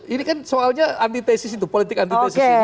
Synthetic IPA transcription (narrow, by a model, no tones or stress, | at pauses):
inikansoalɲaant̪it̪esɪsit̪upolit̪ɪkant̪toesɪke